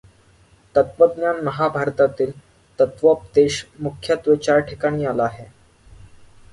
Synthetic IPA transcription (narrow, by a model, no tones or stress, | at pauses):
t̪ət̪ʋəd̪njanməɦabʱaɾt̪at̪iːl | t̪ət̪ʋəp̚d̪eɕmukʰjat̪ʋet͡ɕaɾʈʰikaɽ̃iːalaːɦe